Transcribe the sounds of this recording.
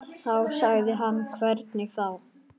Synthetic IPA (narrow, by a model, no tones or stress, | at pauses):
θawsaɣðɪɦanːkʰvɛɾt̪nɪθaw